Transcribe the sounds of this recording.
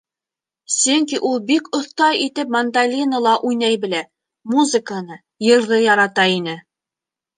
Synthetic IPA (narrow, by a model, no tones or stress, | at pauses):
sɵŋk̬ʲiʔulˠbikŏθt̪ɑjit̪ɘpmɐnd̪alʲinəlˠɑʔujnɑjbɘ̆læ | muzɨkənɤ | jɤ̆ɾðɤjɑɾɑt̪ɑinɘ